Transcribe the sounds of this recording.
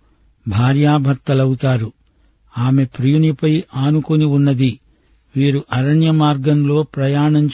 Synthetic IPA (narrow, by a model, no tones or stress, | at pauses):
bʱaːɾjaːbʱɐɾt̪ːɐlɐwut̪aːɾu | aːme̞pɾijunipɐjaːnukuniunːɐd̪i | ʋiːɾuʔɐɾɐɳjɐmaːɾɡɐnlo̞ːpɾɐjaːɳɐɲt͡ʃ